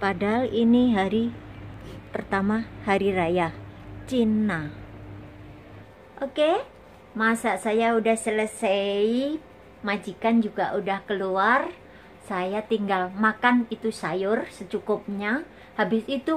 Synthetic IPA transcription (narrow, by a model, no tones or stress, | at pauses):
padaɦaliniɦaɾi | pərt̪amahaɾiɾajat͡ʃina | ʔoke | masasajaudahsələsei | mad͡ʒikand͡ʒuɡaʔudahkəluar | sajat̪iŋɡalmakanit̪usajʊrsət͡ʃukʊp̚ɲa | habɪsit̪u